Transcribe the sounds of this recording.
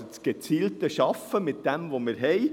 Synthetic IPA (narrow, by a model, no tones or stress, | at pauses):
t͡sɡ̥et͡siːltəʃɑfəmɪt̪̚d̥̪ɛmʋomɪɾɦɛɪ